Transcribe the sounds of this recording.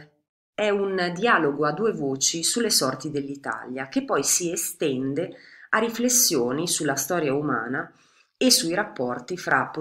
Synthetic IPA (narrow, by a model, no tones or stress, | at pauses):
ɛund̪iaːloɡoad̪ːuːevoːt͡ʃisulːesɔrt̪id̪elːit̪a̰ljak̟epːɔjsiest̪ɛnd̪eariflesːjoːnisulːast̪ɔːɾjauma̰ːna | esuiɾapːɔrt̪ifɾʔapːo